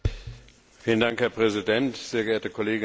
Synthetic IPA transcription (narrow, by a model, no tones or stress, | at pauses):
fiːlən̩daŋkhɛɐpʁ̥ɛzidɛntz̥eːɐɡəeːɐtəkʰɔleːɡɪ